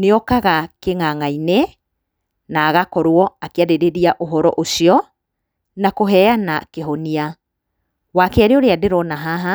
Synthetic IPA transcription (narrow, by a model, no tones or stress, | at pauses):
neɔkaɣakeŋaŋaine | naːɣakɔɾwɔakeaɾeɾeɾiaʔoɦɔɾɔʔosiɔ | nakoɦɛanakeɦɔnia | wakeaɾeoɾeadeɾɔnaɦaɦa